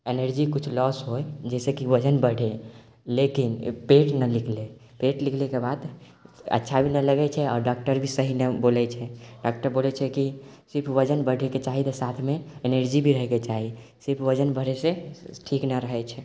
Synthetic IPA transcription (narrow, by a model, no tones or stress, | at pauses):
enəɾd͡ʒikut͡ʃʰlɔsɦojd͡ʒɛsekiʋəd͡ʒənbəɽʱe | lekinpeʈnəlikʰle | peʈlikʰlekebad̪ | ə̰tːʃʰabʱinələɡɛt͡ʃʰɛɔ̰ɾɖɔk̚ʈəɾbʱisəɦinebolɛt͡ʃʰɛɖɔk̚ʈəɾbolɛt͡ʃʰɛkisiɾpʰʋəd͡ʒənbəɽ̤ʱeket͡ʃaɦit̪əsat̪ʰmeeneɾd͡ʒibʱiɾəɦɛket͡ʃaɦi | siɾpʰʋəd͡ʒənbəɽ̤ɛseʈʰiknəɾəɦɛt͡ʃʰɛ